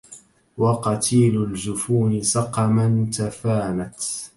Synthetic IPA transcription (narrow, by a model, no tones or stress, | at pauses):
wɑqɑt̪ʰiːlʊld͡ʒʊfuːnɪsɑqɑmant̪afaːnat̪